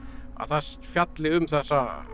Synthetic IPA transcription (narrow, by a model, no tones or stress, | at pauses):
a̰ðθasfjat̪lɪʏmθɛsːa